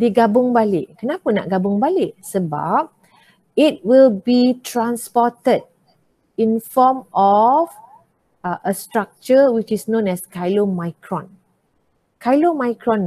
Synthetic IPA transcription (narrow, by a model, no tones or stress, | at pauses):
diɡabʊ̃ŋbalɪʔkənapəna̰ʔɡabʊ̃ŋbalɪʔsəba̰p̚ | it̚wilbitʰɹãnspɔtəd̚ | ĩnfɔmɔv | ʔəstɹak̚t͡ʃəwit͡ʃisnõnɛskajlomajkʰɹɔ̰̃n | kʰajlomajkɹɔ̃n